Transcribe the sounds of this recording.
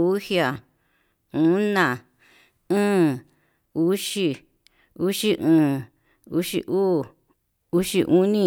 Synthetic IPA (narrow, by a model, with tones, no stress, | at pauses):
u˦hja˨ | ũ˨˦nã˨ | ɨ̃ː˦ | u˦ʃi˧ | u˦ʃi˦ʔũː˨˧˨ | u˦ʃḭ˧ʔuː˦ | u˦ʃi˧ʔu˦nĩ˦˧